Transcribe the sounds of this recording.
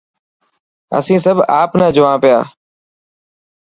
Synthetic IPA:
ə̰sĩːsəbʱaːpnãːd͡ʒʊʋãːpɪjaː

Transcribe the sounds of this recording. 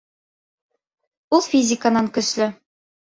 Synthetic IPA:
ulˠfʲizʲɪkənɑŋkɵ̆slɘ

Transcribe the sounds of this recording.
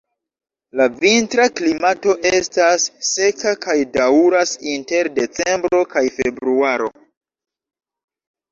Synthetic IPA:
lavintɾaklimato̞ʔe̞stasːe̞kakajdauɾasinte̞ɾde̞t͡se̞mbɾo̞kajfe̞bɾuaɾo̰

